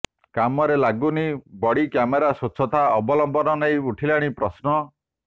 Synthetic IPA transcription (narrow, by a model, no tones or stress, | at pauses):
kamɔɾelaɡunibɔɽikjameɾasot͡ʃʰɔt̪aɔbɔlɔmbɔnɔnajuʈʰilaɽ̃ipɾɔsnɔ